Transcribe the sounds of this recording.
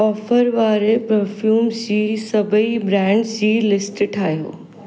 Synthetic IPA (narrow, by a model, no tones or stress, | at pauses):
ɔːfəɾʋaːɾepɾɐfʰjuːmsiːsɐbʱəibɾɛ̃ːɳɖsiːlɪsʈʈʰaːɦijo̰ː